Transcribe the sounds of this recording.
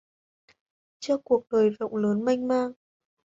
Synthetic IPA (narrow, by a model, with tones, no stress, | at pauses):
t͡ɕɔ˧ku˨˩ək̚ɗəː˨˩jvə̰˧˨wŋ͡mləː˨˦nma˧jŋ̟maː˧ŋ